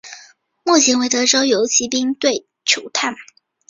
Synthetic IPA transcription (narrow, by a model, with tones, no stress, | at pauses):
mu˥˩t͡ɕʰi˧˥nwe˧˥ɪt̪ɤ˧˥ʈ͡ʂo˥ʊjo˧˥ʊt͡ɕʰi˧˥pi˥ŋt̪we˥˩ɪ | ʈ͡ʂʰu˨˩t̪ʰa˥˩n